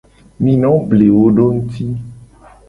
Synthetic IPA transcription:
mĩ˨nɔ̃˨˦ble˨wo˦ɖo˦ŋ̩˦t̪ʰi˦

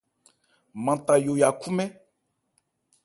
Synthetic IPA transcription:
mã˨t̪a˨jo˨ja˨ku˦mɛ̃˦

